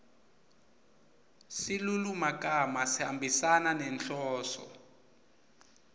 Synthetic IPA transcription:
silulumakʼamasihambisananɛnɬɔːsɔ̰

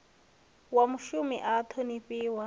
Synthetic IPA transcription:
wamʊʃumɪ̰ʔat̪ʰonipʼiːwa

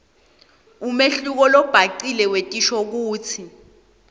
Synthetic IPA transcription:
umeɬuk̬ɔlɔb̥ʱaǀilɛwetʼiʃɔk̬uːt͡sʰi

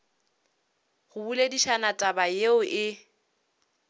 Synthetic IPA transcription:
χʊbulediʃanatʼabajeʊʔɪ

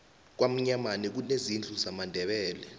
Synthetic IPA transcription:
k̬wam̩ɲamanɛk̬unezind͡ɮʱuzamandʱɛɓɛːlɛ

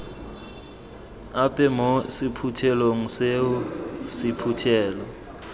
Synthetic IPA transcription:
apʼɛmosipʰutʰɛloŋ̩seʊsipʰutʰɛːlɔ

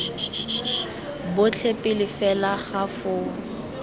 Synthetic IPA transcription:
bʊt͡ɬʰepʼɪlɪfɛlaχafʊ

